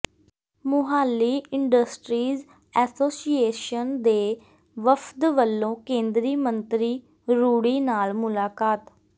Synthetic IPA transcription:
mʊɦaːlːiːɪɳɖəsʈɾiːz | ɛːsoːsieːʃənd̪eː | ʋəfʰd̪ʋəlːõːkẽːnd̪ɾiːmənt̪ɾiː | ɾuːɽiːnaːlmʊlaːkaːt̪

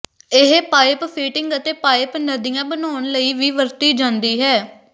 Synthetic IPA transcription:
ɪɦpaːɪppʰiːʈɪŋɡət̪eːpaːɪpnəd̪ijãːbənaːʊnləiːʋiːʋəɾt̪iːd͡ʒãːnd̪iːɦɛː

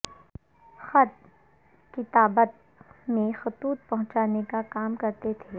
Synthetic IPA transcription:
xɐt̪̚ | kɪt̪aːbət̪̚ | mẽxʊt̪uːt̪̚pɐɦʊ̃t͡ʃaːnekakaːmkɐɾt̪et̪ʰeː

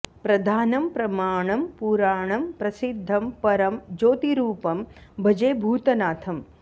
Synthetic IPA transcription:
pɾɐd̪ʱaːnɐmpɾɐmaːɳɐmpuːɾaːɳɐmpɾɐsid̪ʱːɐmpɐɾɐmd͡ʒoːt̪iɾuːpɐmbʱɐd͡ʒejbʱuːt̪ɐnaːt̪ʰɐm

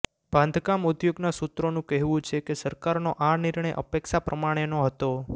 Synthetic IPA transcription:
b̥ʱãnd̪ʱkamud̪joɡnasut̪ɾonũkɛɦʋũt͡ʃʰekesəɾkaɾnoʔanɪɾɳəjʔə̰pekʃapɾəmaɽ̃enoɦət̪o

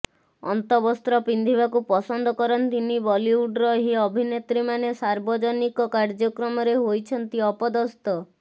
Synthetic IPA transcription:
ɔ̰nt̪ɔbɔst̪ɾɔpind̪ʱiβakupɔsɔnd̪ʱɔkɔɾɔnt̪inibɔliuɖɾɔɦiɔbʱinet̪ɾimanesaɾbɔd͡ʒɔnikɔkaɾd͡ʒɔkɾɔmɔɾeɦojt͡ʃʰɔnt̪iɔpɔd̪ɔst̪ɔ

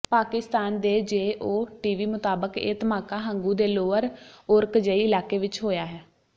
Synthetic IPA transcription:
paːkɪst̪aːnd̪eːd͡ʒeːʔoːʈiːʋiːmʊt̪aːbəkḛːt̪əmaːkaːɦəŋɡũːd̪eːloːəɾʊɾkd͡ʒəiːɪlaːkeːʋɪt͡ʃɦoːjaːɦɛː

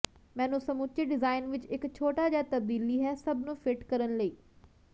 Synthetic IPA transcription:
mɛ̃ːnũːsəmʊt͡ʃəɖɪzaːɪnʋɪt͡ʃɪkt͡ʃʰoːʈaːd͡ʒaːt̪əb̚d̪iːliːɦɛːsəbnũːfʰɪʈkəɾənləiː

